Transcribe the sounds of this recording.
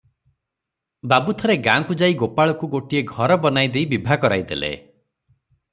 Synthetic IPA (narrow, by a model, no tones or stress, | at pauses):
babut̪ʰɔɾeɡãŋkud͡ʒaiɡopaɭɔkuɡoʈieɡʱɔɾɔbɔnajd̪ejbibʱakɔɾa̰jd̪elḛ